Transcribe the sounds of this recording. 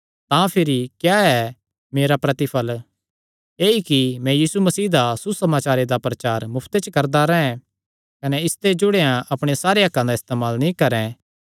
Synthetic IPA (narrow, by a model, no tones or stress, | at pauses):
t̪ãpʰɪɾikjaːɛ | meːɾapɾɐt̪ɪpʰəl | eːikimɛ̃jiːsumɐsiːd̪asusɐmaːt͡ʃaːɾed̪apɾɐt͡ʃaːɾmʊpʰt̪et͡ʃəkɐɾd̪aɾɛɦɛ̃ | kɐnɛɪst̪ed͡ʒʊɽejãɐpɽ̃esaːɾeɐkːãd̪aɪst̪eːmaːlnĩkɐɾɛ̃